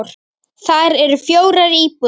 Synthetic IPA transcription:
ɾ̥ | θaɾɛɾʏfjoːwɾaɾiːpu

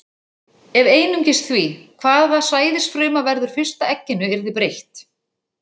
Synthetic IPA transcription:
ɛveːjnʏɲcɪst̪θvikʰvaːðasvaːjðɪsfɾʏːmavɛɾðʏɾ̥fɪ̥st̪aɛcːɪnʏɛɾðɪpɾejht̪

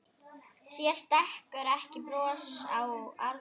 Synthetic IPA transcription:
θjɛɾ̥st̪ɛhkɛɾɛhcɪpɾɔːsawa̰ɾ

